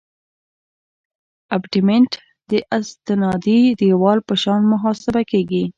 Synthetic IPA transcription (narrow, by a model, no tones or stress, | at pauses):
abʈɪmeɳʈ | d̪əʔɪst̪ɪnɑd̪id̪əwɑlpəʃɑnmʊɦɑsɪbakeɡi